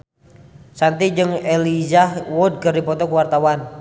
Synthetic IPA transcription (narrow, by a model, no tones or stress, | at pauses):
sant̪id͡ʒəŋelizahwɔd̚kərdipɔt̪ɔkuwart̪awan